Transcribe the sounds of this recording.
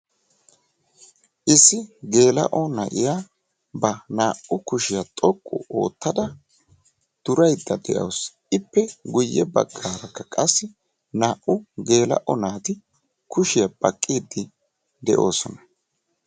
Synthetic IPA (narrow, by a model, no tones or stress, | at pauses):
ʔɪsːɪɡe̞ːlɐ̰ʔɔnɐ̰ʔɪja | bɐnaːʔʊkʊʃɪjat̪ʼɔkʼːʊ̰o̞̰ːt̪ːɐd̪ɐ | d̪̥ʊɾɐjd̪ːɐd̪ɛʔɐ̰ws | ɪpːɛɡʊjːɛbɐ̰ɡːaːɾɐkːɐkʼɐsːɪ | naːʔʊɡe̞ːlɐ̰ʔɔnaːt̪ɪ | kʊʃɪjɐbɐ̰kʼːiːd̪ːɪ | d̪ɛʔo̞ːsɔnɐ̥